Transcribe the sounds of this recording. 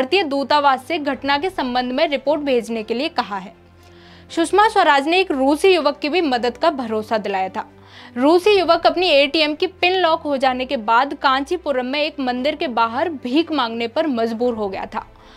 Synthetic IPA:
ɾt̪ijəd̪uːt̪aʋaːsːeɡʱɐʈnak̬esɐ̃mbə̃nd̪ʱmẽɾɪpoːɾʈbʱeːd͡ʒnekeliekɐɦaɦɛː | ʃʊʃmaswɐɾaːd͡ʒneːkɾuːsijʊʋəkːibʱimɐd̪əd̪kabʱɐɾoːsad̪ɪlaːjat̪ʰaː | ɾuːsijʊʋəkɐpnieːʈiɛmkipɪnlɔːkɦod͡ʒaːnekebaːd̪kãːt͡ʃipʊɾəmːẽeːkmɐ̃nd̪ɪɾkebaːɦəɾbʱiːkmãːŋɡnepɐɾmɐd͡ʒbuːɾɦoɡɐja̰t̪ʰa̰ː

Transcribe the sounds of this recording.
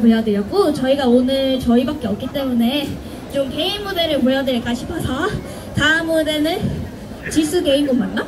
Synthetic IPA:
poɭjʌdɯɾjʌk͈ot͡ɕʌiɡaonɯɭt͡ɕʌibak͈e̞ʌk͈it͈e̞mune̞ | t͡ɕomke̞inːude̞ɾɯɭmoʎjʌdɯik͈aɕʰi̥pʰʌsʰʌ | taɯmude̞nɯn | t͡ɕisʰɯɡe̞imɡomːanːa

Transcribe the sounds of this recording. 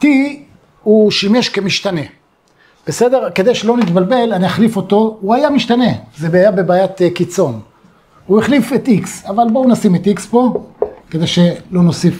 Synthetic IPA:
t̪i | uʃime̞ʃkemiʃt̪ane̞ | b̥ese̞d̪e̞ʁke̞d̪ejʃelo̞nit̪balbe̞laniaχlifo̞t̪o̞uajamiʃt̪ane̞zebeajabe̞baːjat̪kit͡so̞n | uiχlifet̪iksavalbounasimet̪ikspo̞ked̪ejʃelo̞no̞sif

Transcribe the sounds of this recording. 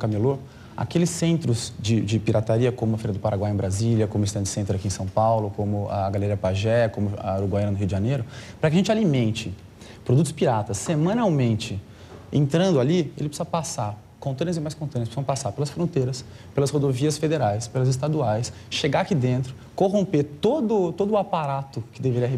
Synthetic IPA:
kamelo | a̰kelɪsẽnt̪ɾʊzd͡ʒɪd͡ʒɪpiɾʔat̪aɾiɐkõmʊɐfeɾiɐd̪ʊpaɾaɡwajẽbɾaziljɐkõmʊist̪ɐ̃t͡ʃɪsẽnt̪ɾakiẽsɐ̃w̃pawlʊkõmʊa̰ːɡaleɾiɐpaʒɛkõmʊa̰oɾuɡwajɐ̃nɐnʊɦiuʊd͡ʒɪʒãnejɾʊpɾɐkɪaɐʒẽnt͡ʃalimẽnt͡ʃɪ | pɾod̪ut̪ʊ̥spiɾat̪ɐsːemɐ̃nawmẽnt͡ʃɪ | ḛ̃nt̪ɾɐ̃nd̪ʊaliḛlɪpsɐpasaɾ | kõnt̪ɐ̃nɐzimajskõnt̪ɐ̃nɐspsɐ̃w̃pasaɾpelɐsfɾõt̪ejɾɐspelɐshod̪oviɐsfed̪eɾajspelɐzɪs̬t̪ad̪uajs | ʃeɡaakid̪ẽnt̪ɾʊ | koɦõmpet̪od̪ʊt̪od̪ʊapaɾat̪ʊkɪd̪eveɾiɐɦe

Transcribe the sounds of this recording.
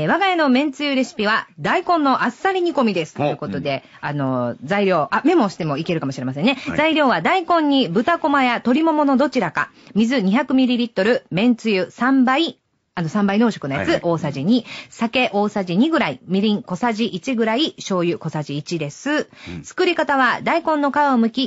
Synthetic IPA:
eβ̞aɡaeno̞mẽ̞nt͡sɨjɯɾe̞ɕi̥pʲiβad̪aikõ̞nːo̞ʔasːaɾʲiɲ̟iko̞mʲid̪e̞sɨ̥t̪ojiɯ̟ko̞t̪o̞d̪e̞ | ano̞zaiɾʲo̞ːʔame̞mo̞ɕi̥t̪e̞mo̞ike̞ɾɯ̟kamo̞ɕiɾemas̬ẽ̞nːe̞zaiɾʲjo̞ːβad̪aikõ̞ɲ̟ːibɯ̟t̪ako̞majat̪o̞ɾʲimo̞mo̞no̞d̪o̞t͡ɕiɾaka̰ | mʲizɨɲ̟içakɯ̟mʲiɾʲiɾʲit̪ːo̞ɾɯ̟mẽ̞nt͡sɨjɯsãmbai | anosãmbaino̞ːɕo̞kɯ̟nojat͡sɨʔo̞ːsaʑiɲ̟isake̞ʔo̞ːsaʑiɲ̟iɡɯ̟ɾaimʲiɾʲĩŋko̞saʑiʔit͡ɕiɡɯ̟ɾaiɕo̞ːjɯ̟ko̞saʑiːt͡ɕid̪e̞sɨt͡sɨ̥kɯ̟ɾʲikat̪aβ̞ad̪aikõ̞nːo̞kaβaomɯ̟kʲi

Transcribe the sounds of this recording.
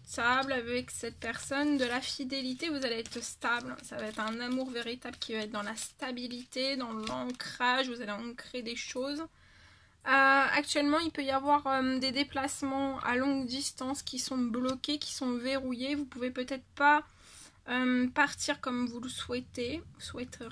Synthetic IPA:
t̪ablavɛksɛt̪̚pɛʁsɔnd̪əlafid̪elit̪evuzaleɛt̪χst̪ablsavaɛt̪χɛ̃namuʁveʁit̪ablkʲivaɛt̪̚d̪ɑ̃last̪abilit̪ed̪ɑ̃lɑ̃kχaʒvuzaleɑ̃kχed̪eʃoz | øa̰k̚t̪ɥɛlmɑ̃ilpøjavwaʁød̪ed̪eplasmɑ̃a̰lɔ̃ɡd̪ist̪ɑ̃skʲisɔ̃blɔkʲekʲi̥sɔ̃veʁujevupuvepøt̪ɛt̪χpa | ømpaʁt̪ʰiʁkɔmvuləswɛt̪evuswɛt̪e

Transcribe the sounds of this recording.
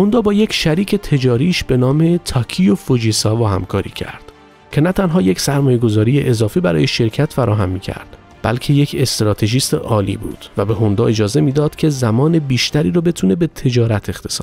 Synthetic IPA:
hond̪ɒːbɒːje̞cʰʃæɾiːcʰe̞t̪ʰe̞d͡ʒɒːɾiːʃb̥e̞nɒːme̞t̪ʰɒːkʰijofod͡ʒiːsɒːvɒːhæ̰mkʰɒːɾḭːcʰæ̰ɾd̪̥ | kcʰe̞næt̪ʰænɦɒːje̞csæɾmɒːje̞ɡo̞zɒːɾiːjeʔezɒːfibæɾɒ̰ːje̞ʃe̞ɾcʰæt̪fæɾɒːɦæmːiːcʰæ̰ɾd̪̥ | b̥æ̰lcʰe̞je̞cʰe̞st̪ɾɒːt̪ʰe̞ʒiːst̪ḛʔɒːlḭːbṵːd̪̥væbe̞ɦo̞nd̪ɒːe̞d͡ʒɒːze̞miːd̪ɒːd̪̥cʰe̞zæmɒːnebiːʃt̪æɾiːɾɒːbe̞t̪ʰuːne̞be̞t̪ʰe̞d͡ʒɒːɾæt̪ʰe̞xt̪ʰesɒ̰ːd̪

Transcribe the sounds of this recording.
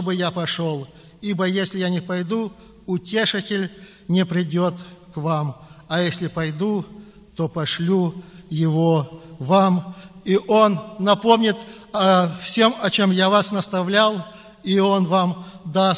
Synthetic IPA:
tt̪obɨjapɐʂo̞lˠ | ibəjesʲlʲɪjanʲɪpɐjd̪u | ʊtʲe̞ʂɨtʲɪlʲ | nʲɪpɾʲɪdʲot̪kvamɐjesʲlʲɪpɐjd̪u | t̪o̞pɐʂlʲujɪvovamiʔo̞nːɐpo̞mnʲɪt̪ɐfsʲe̞mɐt͡ɕomjavasnəst̪ɐvlʲalˠ | io̞nvamd̪a

